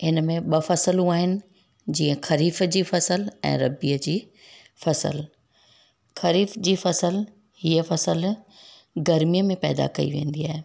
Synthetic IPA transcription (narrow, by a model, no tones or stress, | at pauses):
ɪnəmẽɓɐfɐsəluaːɦɪnɪ̆ | d͡ʑiːə̃xɐɾiːfd͡ʑiːfɐsəlɛ̰̃ːɾɐbiəd͡ʑiː | fɐsə̰l | xɐɾiːfd͡ʑiːfɐsəl | hiːəfɐsəl | ɡɐɾmijəmẽpɛːd̪a̰kɐ̰ḭʋẽːn̆d̪iaːɦe